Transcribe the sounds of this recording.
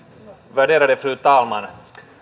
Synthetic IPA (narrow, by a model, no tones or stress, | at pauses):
væɖeːɾaɖ̪əfɾʉ̟ːt̪ʰɑːlman